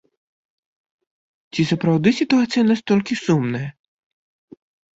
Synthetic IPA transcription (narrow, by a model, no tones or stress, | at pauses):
t͡sʲisɐpɾawd̪ɨsʲit̪uat̪sɨjɐnast̪ɔlʲkʲisumnɐjɐ